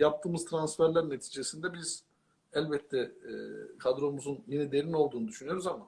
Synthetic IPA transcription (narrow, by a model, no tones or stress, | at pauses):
jap̚t̪ʰɯːmɯzt̪ʰɾansfæɾlʲæɾne̞t̪ʰiːd͡ʒesind̪ɛbiz̥ | ælʲbɛt̪ʰːɛ | kʰad̪ɾo̞muzunjinɛd̪e̞ɾino̞lˠd̪uːnud̪yʃynyjo̞ɾuzama